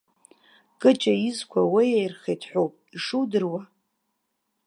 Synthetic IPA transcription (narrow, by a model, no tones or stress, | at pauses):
kʼɨt͡ʃʼaizkʷʰawijejrχejtʰħʷᶣowpʼiʂuwdɨrwa